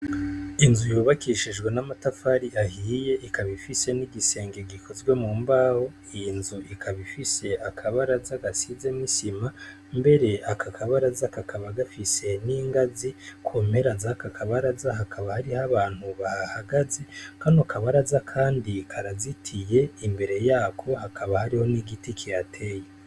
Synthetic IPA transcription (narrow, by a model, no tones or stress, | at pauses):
inzujuːβakiʃid͡ʒɡwe̞namatafaɾiʔahiːje̞ʔikaβifise̞niɡise̞ːŋɡeɡikʰo̞zwe̞muːmbaho̞ | inzuʔikʰaβifise̞ʔakʰaβaɾazaɡasize̞misima | mbe̞ɾe̞akʰakʰaβaɾazakakʰaβaɡafise̞niːŋɡazikʰuːmhe̞ɾazakakʰaβaɾazaɦakʰaβahaɾihaβaːn̥huβahahaɡaze̞kanokʰaβaɾazakʰaːndikʰaɾazitʰije̞imbe̞ɾe̞jaːkʰo̞hakʰaβahaɾiho̞niɡitikʰijatʰe̞ːje